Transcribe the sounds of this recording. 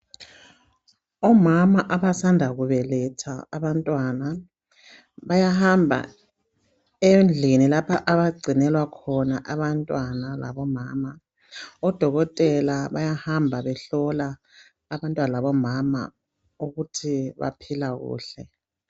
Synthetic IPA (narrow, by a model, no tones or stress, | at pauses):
ɔmamaʔaβasandʱaɣuβɛlɛtʰaːβantʼwana | βajahambʱa̰ | end͡ɮʱinilapʰaʔaβaɡ͡ǀʱinɛlwakʰɔnaʔaβantʼwanala̰βɔmaːma | ɔd̥ʱɔɣɔtʼɛlaβajahambʱaβɛɬɔlaː | βantʼwanalaβɔmama̰ | uɣutʰiβa̰pʰilaɣṵːɬɛ